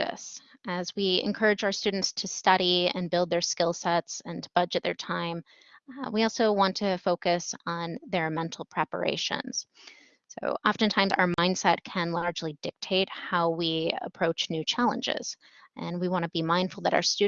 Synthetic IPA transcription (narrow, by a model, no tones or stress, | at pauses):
ɨ̰s | ʔɨzwiɨ̰̃nkʰɜ˞ɨd͡ʒaʊə˞stʉdⁿn̩tstʰɨstʌɾiɨ̰̃nbɪlˠd̪̚ðə˞skɪlˠsɛtsɨ̃ntʰəb̥ʌd͡ʒɨt̪̚ðə̰˞tʰãɪ̃m | wiɔlˠsoʊwɑ̃ntʰɨfoʊkɨsn̩ðə˞mɛ̃ntʰˡl̩ˠpʰɹ̥ɛpə̰˞ḛɪʃɨ̰̃nz̥ | so̰ʊʔɑfɨ̃ntʰãɪ̃mza̰ʊə˞mãɪ̃nd̥sɛt̚kʰɨ̃nlɑɹd͡ʒlidɪk̚tʰeɪt̚haʊwiə̰pʰɹ̥oʊt͡ʃnʉt͡ʃʰælˠə̰̃nd͡ʒɪ̰z̥ | ʔɨ̃nwiwɑ̃nəbimãɪ̃ndfl̩ˠðəɾa̰ʊə˞stʉ